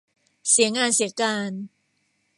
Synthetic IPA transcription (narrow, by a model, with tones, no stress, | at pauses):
si˩˦ŋaː˧nsi˩˦əkaː˧n